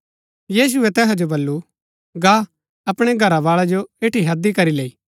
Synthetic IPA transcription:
jiːs̬ʊɛt̪ɛːɦad͡ʒobɐlːu | ɡaː | ɐpɽ̃eɡʱɐɾaʋaːɭad͡ʒoeːʈiɦɐd̪ikɐɾileːiː

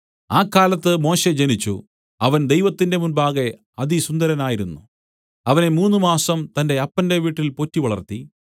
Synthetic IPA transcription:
aːkːaːlɐt̪ːɨmo̞ːɕe̞d͡ʑenit͡ɕːṵ | ɐʋɐnd̪e̞jʋɐt̪ːinde̞munbaːɣe̞ | ɐd̪isund̪ɐɾɐnaːjiɾunːṵ | ɐʋɐne̞muːnːumaːsɐmt̪ɐnde̞ɐpːɐnde̞ʋiːʈːilpo̞tːiʋɐɭɐrt̪i

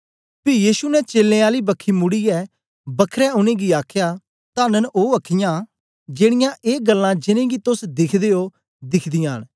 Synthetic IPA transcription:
pɪjiːsunɛt͡ʃeːlːẽaːlibɐkʰːimʊɽiɛ | bɐkʰɾɛʊnẽɡiaːkʰjaː | t̪ãːnənoːɐkʰɪjã | d͡ʒeːɽ̃ɪjãʔeːɡəlːãd͡ʒɪnẽːɡit̪ʊsd̪ɪkʰd̪eːo | d̪ɪkʰd̪ɪjãːɦñ

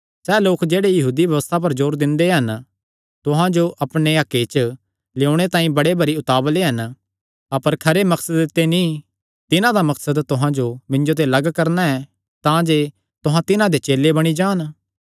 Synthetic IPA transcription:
sɛːloːkd͡ʒeːɽejɐɦuːd̪ibjɐʋəst̪ʰap̬ɐɾd͡ʒoːɾd̪ɪ̃nd̪eɦɐn | t̪ʊɦãd͡ʒoʔɐpɽ̃eakːet͡ʃ | leoɽ̃et̪ãːĩbɐɽebɐɾiʊt̪aːbleɦɐn | ɐpəɾkʰɐɾemɐksəd̪ɪt̪ːenĩ | t̪ɪnãd̪amɐksəd̪t̪ʊɦãd͡ʒomɪ̃nd͡ʒot̪̬elɐɡkɐɾnaɛ̃ | t̪ãd͡ʒe | t̪ʊɦãt̪ɪnãd̪et͡ʃeːlːebɐɽ̃id͡ʒaːn

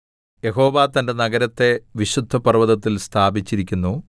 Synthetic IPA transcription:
je̞ɦo̞ːʋaːt̪ɐnde̞nɐɡɐɾɐt̪ːe̞ʋiɕud̪ʱːɐpɐrʋɐðɐt̪ːilst̪ʰaːbit͡ɕːiɾikʲːunːu

